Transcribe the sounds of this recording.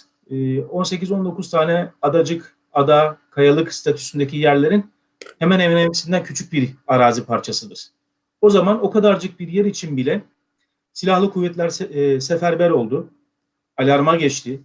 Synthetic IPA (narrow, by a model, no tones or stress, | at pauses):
o̞nse̞cizo̞nd̪o̞kʰuzt̪ʰaːnɛad̪ad͡ʒɯk | ad̪akʰajalˠɯkst̪ʰat̪ʰy̥synd̪ecʰijæɾlʲe̞ɾin | hemæne̞vnemisind̪æncʰyt͡ʃʰyc̚biɾaɾaːzipʰaɾt͡ʃʰasɯd̪ɯɾ̥ | o̞zamano̞kʰad̪aɾd͡ʒɯk̚biɾjɛɾit͡ʃʰinbilʲɛ | silʲahlˠɯkʰuvːɛt̪lʲæɾsefæɾbæɾo̞lˠd̪u | alʲaɾmaɟɛt͡ʃt̪ʰi